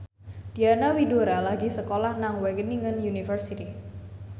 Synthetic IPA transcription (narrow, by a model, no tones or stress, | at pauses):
d̪̥ianawidoɾalaɡisəkolahnaŋwɛɡəniŋənjunifərsit̪i